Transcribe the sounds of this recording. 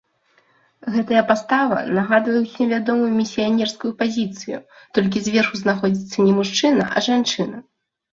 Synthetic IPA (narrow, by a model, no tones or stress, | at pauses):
ɣɛt̪ɐjɐpast̪avɐ̰naɣad̪vɐjɛwsʲinvʲad̪ɔmujumʲisʲijanʲɛrskujupazʲit̪sɨjṵ | t̪ɔlʲk̬ʲizʲvʲɛrxuznaxɔd͡zʲit̪sːɐnʲɛmuʂt͡ʂɨnɐ̰ʔɐ̰ʐant͡ʂɨnɐ